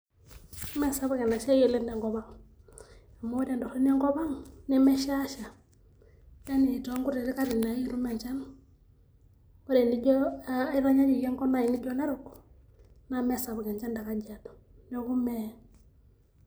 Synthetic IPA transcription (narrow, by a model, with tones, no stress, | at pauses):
mɛ˦˨sa˨˦βa˦kɛ˨na˨ʃa˦jɛ˨lɛ˦ndɛ˨ŋɡɔ˨βa˦ŋ | a˨mɔ˦ɔ˦ɾa˨ndɔ˨ɾɛ˦n˦ɛ˦ŋɡɔ˦βa˦ŋnɛ˦mɛ˦ʃa˦ʃa˨ | ja˦ni˨tɔ˦ŋɡu˦ɾɛ˨ɾi˦ka˦ɾi˨na˨˦i˦ɾu˦mɛ˨ɲt͡ʃa˦n | ɔ˦ɾɛ˨ni˦ɟɔ˦i˦ɾa˦ɲa˦ɲi˨jɛ˦ŋkɔ˦na˨i˨ni˦ɟɔ˦na˦ɾu˨ku̥˨ | na˨mɛ˦˨sa˨βu˨kɛ˨nt͡ʃa˦nda˨ka˦d͡ʒa˨tɔ̥˨ | nɔ˦ku˦mɛ˦